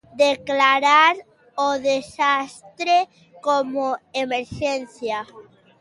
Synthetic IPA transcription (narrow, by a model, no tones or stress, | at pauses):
d̪eklaɾaɾ | oðesast̪ɾe | komoemeɾʃenθja